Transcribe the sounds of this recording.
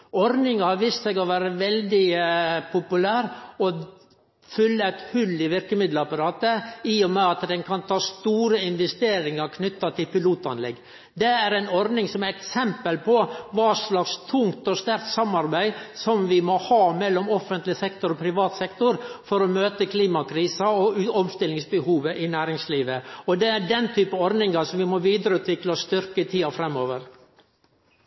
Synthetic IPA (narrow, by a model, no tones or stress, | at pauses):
ɔɾnɪŋɑhɑʋiːst̪sɛɡɔʋæːɾəʋɛld̪ɪpʰʊpʉlæːɾɔ | fʏlːəæɪt̪hʉlːɪʋɪɾkəmɪd̪ləɑpɑɾɑːt̪əiːɔmɛɑt̪d̪ɛnkʰɑnt̪ʰɑːst̪uːɾəɪnʋɛst̪eːɾɪŋɑɾkʰnʏt̪ːɑt̪ʰɪlpɪluːt̪ɑ̰nlɛ̰ɡː | d̪ɛæɾæɪnɔɾnɪŋsɔmæɾɛksɛmpəlpʰɔʋɑːʂlɑkst̪ʰʊŋt̪ɔst̪æɾk̚t̪sɑmːɑɾbæɪsɔmʋɪmɔhɑːmɛlːɔmɔfːənt̪lɪsɛkt̪ɔɾɔpʰɾɪʋɑːt̪sɛkt̪ʊɾfɔɾɔmøːt̪əkʰliːmɑkʰɾiːsɑɔɔmst̪ɪlɪŋsbəhuːʋəʔɪnæːɾɪŋsliːʋəɔd̪ɛæɖɛnt̪ʰyːpəɔɾnɪŋɑsɔmʋɪmɔʋiːd̪əɾəʉːt̪ʰʋɪklɑst̪ʏɾkət̪ʰiːɑfɾɛmːoːʋəɾ